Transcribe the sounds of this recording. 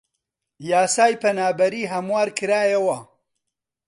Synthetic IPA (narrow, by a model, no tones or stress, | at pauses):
jaːsaːjpɐnaːbɐɾiːɦɐmwaːɾkʰɨɾaːjɐwɐ